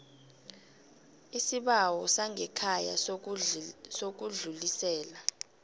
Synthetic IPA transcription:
isiɓawɔsaŋɛkʰaja̰ | sok̬uɮulisɛːla

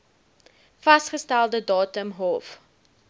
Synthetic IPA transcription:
fɐstχəstælˠdədɑːtəmɦɔf

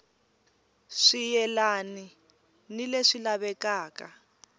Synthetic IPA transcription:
ʂijɛlani | nileʂilaβɛkaːka

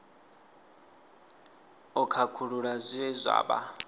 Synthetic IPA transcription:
ɔkʰakʰuɺuɺazʷiɛzʷa̰ːɓa̰

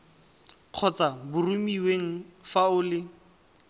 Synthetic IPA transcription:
q͡χʰɔt͡sabʊrumiweŋ̩faʊlɪ

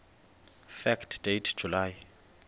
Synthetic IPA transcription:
fɛktʰd̥ejtʰd͡ʒʱulaːj

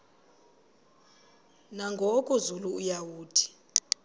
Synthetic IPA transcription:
naŋɡʱokʼuzuluujawuːd̥ʱi̥

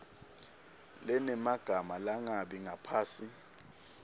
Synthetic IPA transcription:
lɛnɛmaɡ̥ʱamalaŋaɓiŋapʰaːsi

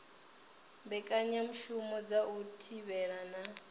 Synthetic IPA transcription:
mbɛkʼaɲam̩ʃumɔd͡zaʔutʰiβɛɺana

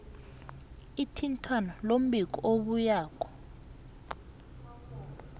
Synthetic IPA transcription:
itʰintʰwanɔlom̩bik̬ɔʔoɓujaːk̬ʰʼɔ̥

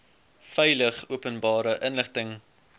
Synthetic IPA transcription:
fɛjləχuəpənbɑːɾəʔənləχtəŋ

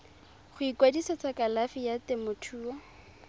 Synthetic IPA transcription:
χʊikwadisat͡sakalafijatɪmʊtʰuːɔ

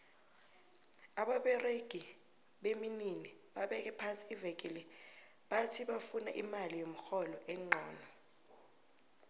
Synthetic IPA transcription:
aɓaɓɛreɡ̥ʱi | ɓemininiɓaɓɛk̬ɛpʰasiːvɛk̬ʼilɛ | ɓatʰiɓafuna̰ʔimalijom̩xɔlɔʔɛŋ͡ǃʱaːnɔ

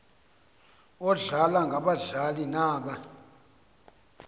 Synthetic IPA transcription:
ɔɮalaŋɡʱaɓaɮalinaːɓa

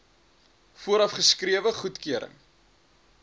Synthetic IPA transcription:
fuəɾɐfχəskriəvəχutkyəɾə̰ŋ

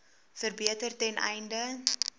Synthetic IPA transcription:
fərbiətərtɛnʔɛ̰jndə

